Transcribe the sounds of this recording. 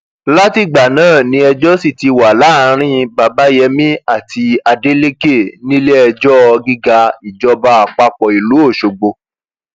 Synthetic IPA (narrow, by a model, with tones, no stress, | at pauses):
la˦ti˦˨ɡ͡ba˨nãː˦˨nĩ˧˦ɛ˧d͡ʒɔ˦si˦˨ti˧wa˨la˨˦˨ɾ̃ĩ˦˧ba˨ba˦jɛ˧mĩ˦a˦˨ti˧a˧de˦le˦ke˦˨nĩ˦le˦ɛ˧d͡ʒɔ˦˧ɡi˦ɡa˧i˨d͡ʒɔ˧˦ba˧a˨k͡pa˧k͡pɔ˨i˨lu˨˦o˦˨ʃo˨ɡ͡bo˧